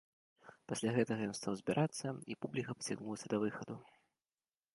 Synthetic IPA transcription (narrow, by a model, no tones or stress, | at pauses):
pasʲlʲaɣɛt̪ɐɣɐjɔnst̪awzʲbʲiɾʔat̪sːɐipublʲikɐpɐ̥t͡sʲiɣnulˠɐsʲɐd̪ɐvɨxɐd̪u